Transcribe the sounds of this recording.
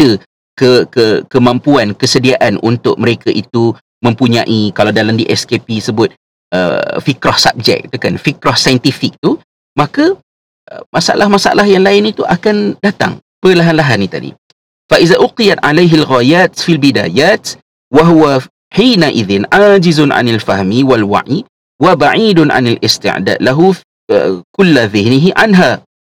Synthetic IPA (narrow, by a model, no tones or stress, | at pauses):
ə | kəkəkəmampuankəsədiaʔanʔṵnt̪ʊ̰ʔ̚məɾekaʔit̪u | mə̃mpuɲã̰ʔikalawdalamdiʔɛskepisəbʊt̪̚ | ʔə̰fikɾɔhsa̰p̚d͡ʒɛ̰k̚it̪ukanfikɾɔhsajənt̪ifik̚t̪u | maka | əmasaʔa̰lahmasaa̰lahjaŋlaɪnit̪uʔakandat̪a̰ŋ | pəlaɦanlaɦanːĩt̪a̰dḭ | faʔiðaʔʊqijat̪ʕalajɦalɣajaːt̪̚filbida̰ːjaːt̪ | waɦuwa | ħiːnaʔiðɪnʕad͡ʒɪzʊnʕa̰nalfahmiwalwa̰ʕi | wabaʕiːdʊnʕa̰nalɪst̪ɪ̰ʕda̰ːd̪laɦu | ə̰kʊlːaðɪhnɪɦiʕanɦa